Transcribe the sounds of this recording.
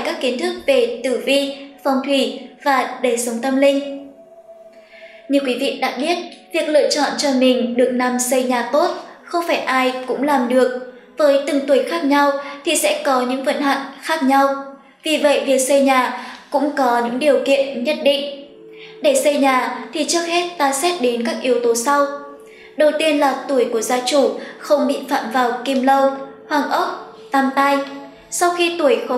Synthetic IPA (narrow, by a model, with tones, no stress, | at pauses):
jkaː˦˥kːi˨˦ənt̪ʰɨ˦˥k̚ve˨˩t̪ɨ˧˩vi˧fɔ˨˩wŋ͡mt̪ʰwi˧˩vaː˨˩ɗe˧˩sə˨˦wŋ͡mt̪ə˧mlï˧ŋ̟ | ɲɨ˨˩kwi˨˦vḭ˧˨ɗa̰ː˧˥ɓi˦˥ət̚vi˨˩ək̚lɨ̰˧˨ət͡ɕɔ̰˧˨nt͡ɕɔ˧mï˨˩ŋ̟ɗɨ˨˩ək̚na˨˩msə˧jɲaː˨˩t̪o˦˥t̚xə˧wŋ͡mfaː˧˩jʔaː˧jkʊ̰˧˥ŋ͡mlaː˨˩mɗɨ˨˩ək̚ | v̥əː˨˦jt̪ɨ˨˩ŋt̪u˨˧˩jxaː˦˥k̚ɲa˧wt̪ʰi˨˩sɛ̰˧˥kɔ˨˦ɲɨ̰˧˥ŋvə̰˧˨nɦa̰˧˨ŋxaː˦˥k̚ɲa˧w | vi˨˩və̰˧˨jvi˨˩ək̚sə˧jɲaː˨˩kʊ̰˧˥ŋ͡mkɔ˨˦ɲɨ̰˧˥ŋɗi˨˩əwkḭ˧˨ənɲə˦˥t̚ɗḭ˧˨ŋ̟ | ɗe˧˩sə˧jɲaː˨˩t̪ʰi˨˩t͡ɕək̚hɛ˦˥t̚t̪aː˧sɛ˦˥t̚ɗe˨˦nkaː˦˥k̚ʔi˨˦əwt̪o˨˦sa˧w | ɗə˨˩wt̪i˧ənlaː˨˩t̪u˧˩əjku˧˩əzaː˧t͡ɕu˧˩xə˧wŋ͡mɓḭ˧˨fa̰ː˧˨mvaː˨˩wki˧mlə˧whwaː˨˩ŋʔə˦˥t̚ | t̪aː˧mt̪a˧j | sa˧wxi˧t̪u˧˩əjxə˧